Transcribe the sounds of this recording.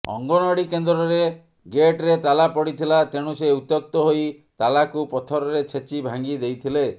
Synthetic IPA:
ɔ̰ŋɡɔnɔɽikend̪ɾɔɾe | ɡeʈɾet̪alapɔɽit̪ʰilat̪eɽ̃useut̪jɔk̚t̪ɔɦoj | t̪alakupɔt̪ʰɔɾɔɾet͡ʃʰet͡ʃibʱaŋɡid̪ejt̪ʰile

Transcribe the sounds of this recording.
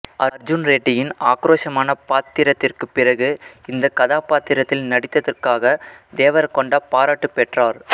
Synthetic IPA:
ɐɾd͡ʒʊnɾeːʈːɪjɪnaːkɾoːʂɐmaːnɐpaːt̪ːɪɾɐt̪ːɪrkɯpːɪrɐɣɯɪnd̪ɐkɐðaːpaːt̪ːɪɾɐt̪ːɪlnɐɽɪt̪ːɐðɐrkaːɣɐd̪eːʋɐɾkɔɳɖaːpaːɾaːʈːɯpɛʈraːɾ

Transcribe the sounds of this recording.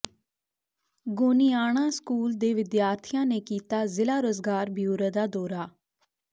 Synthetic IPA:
ɡoːniːaːɽ̃ãːskuːld̪eːʋɪd̪jaːɾt̪ʰɪjãːneːkiːt̪aːzɪlaːɾoːzɡaːɾbʱijuːɾəd̪aːd̪ɔːɾaː

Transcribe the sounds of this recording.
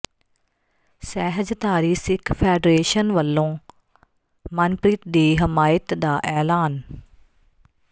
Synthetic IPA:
sɛːɦəd͡ʒt̪aːɾiːsɪkʰfeːɖɾeːʃənʋɐlːõː | mɐnpɾiːt̪ɗ̪iːɦɪmaːjət̪d̪aːʔɛːlaːn

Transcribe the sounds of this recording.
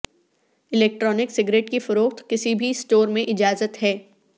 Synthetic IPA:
ɪlɛːk̚ʈɾɔːnɪksɪɡɾeːʈkifʊɾoːxt̪kɪsibʱisʈoːɾmẽʔɪd͡ʒaːzət̪ɦɛː

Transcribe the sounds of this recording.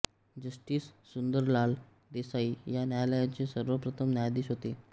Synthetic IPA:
d͡ʑəsʈiːsːund̪əɾlal | d̪esaijanjajləjat͡ɕesəɾʋəpɾət̪ʰəmnjajd̪iːsɦot̪e

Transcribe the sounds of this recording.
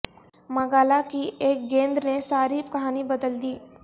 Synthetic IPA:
mɐɡaːlakiʔeːk̚ɡẽːnd̪ɾnesaːɾikɐɦaːnibɐd̪əld̪iː

